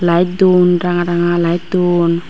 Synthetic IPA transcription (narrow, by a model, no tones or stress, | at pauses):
lajt̪̚d̪unɾaŋaɾaŋalajt̪̚d̪un